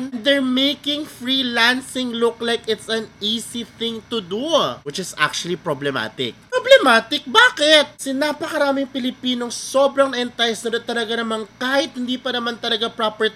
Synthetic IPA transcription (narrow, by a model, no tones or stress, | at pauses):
nnd̪ɛɹmejkɪ̃ŋfɹilansɪŋlʊklajkɪt̪sɐniːsiθɪ̃ŋt̪ʊd̪uwɪt͡ʃɪsa̰k̚t͡ʃʊɐlipɾoblɛma̰ːt̪ɪ̰k̚ppoblɛmaːt̪ɪk̚baːkɪt̪̚sɪnapɐkɐɾaːmɪŋpɪlɪpiːnoŋso̞ːbɾɐŋnɐʔɪnt̪ajsnɐd̪ɐt̪ːɐlɐɡanɐmaŋkaːhɪt̪̚hɪnd̪iːpɐnɐmant̪ɐlɐɡapɾapɛɹ